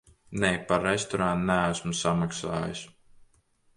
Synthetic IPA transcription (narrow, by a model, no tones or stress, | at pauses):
nejpaɾːest̪ɔɾannææsmusamaksa̰ːjḭs